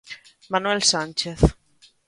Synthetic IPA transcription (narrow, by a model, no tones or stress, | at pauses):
manwɛlsant͡ʃeθ